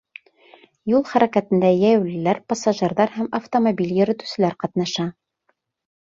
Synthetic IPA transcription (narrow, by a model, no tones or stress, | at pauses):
julˠχæɾækæt̪ɘ̆nd̪æjæjwlɘ̆læɾpɑsaʒɘ̆ɾðɑɾhæmɐft̪omobʲiljɘ̆ɾɘ̆t̪ʉ̥sɘ̆læɾqɑt̪nɑʃɑ